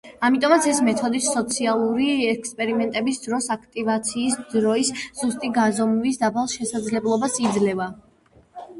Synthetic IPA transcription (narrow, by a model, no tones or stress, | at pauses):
amit̪ʼɔmat̪sʰɛsmɛt̪ʰɔd̪it̪sɔt̪sʰialˠuɾiɛkʰspʼɛɾimɛnt̪ʼɛbisd̪ɾɔsakʰt̪ʼivat̪sʰiːsd̪ɾɔisz̥ust̪ʼiɡazɔmvisd̪apʰalˠʃɛsad̪zlɛblˠɔbasid̪zlɛva